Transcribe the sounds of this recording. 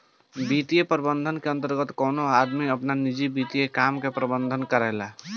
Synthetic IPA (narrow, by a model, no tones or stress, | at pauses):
bit̪ijepəɾbənd̪ʱənkeə̃nt̪əɾɡət̪kɔːnoad̪miəpnanid͡ʒibit̪ijekamkepɾəbənd̪ʱənkəɾɛɦla